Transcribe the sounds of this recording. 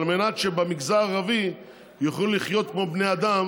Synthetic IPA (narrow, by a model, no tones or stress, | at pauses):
lmenat̪ʃebemiɡzaʁavi | jaχluliχjo̞t̪̚kmo̞bne̞jad̪am